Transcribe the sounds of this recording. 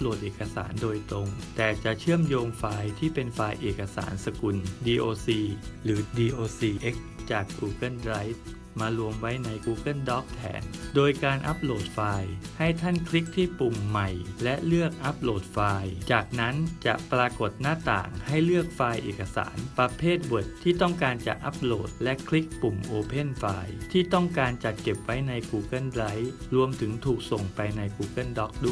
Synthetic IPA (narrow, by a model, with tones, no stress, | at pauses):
p̚loː˨˩t̪̚ʔeː˨˩ka˧sa̰ː˩˦ndoː˧jt̪ɾo˧ŋt̪ɛː˨˩t͡ɕa˨˩ʔt͡ɕʰɯ˥˩əmjoː˧ŋfaː˧jt̪ʰiː˥˩pe˧nfaː˧jʔeː˨˩kːa˧sa̰ː˩˦nsa˧ku˧ndiː˧ʔoː˧siː˧lɯː˩˦diː˧ʔoː˧siː˧ʔe˦˥k̚t͡ɕaː˨˩kːuː˧kɤ˥˩nɾa˦˥jt̪̚ | maː˧lu˧əmwa˦˥jna˧jkuː˧kɤ˥˩ndɔː˦˥k̚t̪ʰɛ̰ː˧˥ndoː˧jkaː˧nʔa̰˦˥p̚loː˨˩t̪̚faː˧jha˥˩jt̪ʰa˥˩nkʰli˦˥k̚t̪ʰiː˥˩pu˨˩ŋːa˨˩jlɛ˦˥lɯ˥˩ək̚ʔa˦˥p̚loː˨˩t̪̚faː˧jt͡ɕaː˨˩k̚na˦˥nt͡ɕa̰˨˩ʔpɾaː˧ko˨˩t̪̚naː˥˩t̪a̰ː˨˩ŋha˥˩jlɯ˥˩ək̚faː˧jʔeː˨˩kʰːa˧sa̰ː˩˦npɾa˧pʰeː˥˩t̪̚wɤ˨˩t̪ʰːiː˥˩t̪ɔ˥˩ŋkaː˧nt͡ɕa̰˨˩k̚ʔa˦˥p̚lo̰ː˨˩t̪̚lɛ˦˥kʰli˦˥k̚pu˨˩mʔoː˧pʰe˥˩nfaː˧jt̪ʰiː˥˩t̪ɔ˥˩ŋkaː˧nt͡ɕa˨˩t̪̚ke˨˩p̚wa˦˥jna˧jkuː˧ka˥˩nɾa˦˥jɾu˧əmt̪ʰɯ˩˦ŋt̪ʰuː˨˩k̚so˨˩ŋpa˧jna˧jkuː˧kɤ˥˩ndɔ˦˥k̚du˦˥